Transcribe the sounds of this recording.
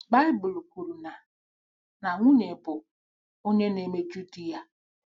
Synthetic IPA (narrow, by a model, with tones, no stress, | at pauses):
ba˦ɪ˦bʊ˨lu˨ku˨ɾu˨na˨ | na˨ŋʷu˦ɲe˨pʊ˨ | o˦ɲe˦ne˨me˦d͡ʒu˦ti˦ja˦